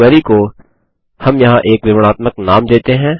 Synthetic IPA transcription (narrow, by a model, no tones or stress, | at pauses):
ɛːɾiko | hɐmjɐɦãʔeːkɾɪʋɽ̃aːt̪məknaːmd̪eːt̪eɦɛ̃ː